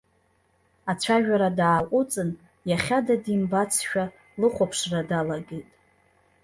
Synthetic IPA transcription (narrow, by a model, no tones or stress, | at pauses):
at͡ɕʷʰaʒᶣaɾadaːʔʷʼʊt͡sʼɨn | jaχʲadadimbat͡sʰʃᶣa | lɨχʷapʰʂradalaɡejtʼ